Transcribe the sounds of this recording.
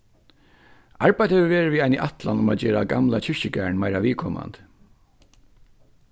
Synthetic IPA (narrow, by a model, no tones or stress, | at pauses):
aɹbajd̪hɛʋəʋeːɹɪʋiajniʔat̪lanʊmaːd͡ʑeːɾaɡa̰mlat͡ɕʰɪɹ̥ɕɪɡæɹɳmajɾaʋiːkʰɔma̰nt̪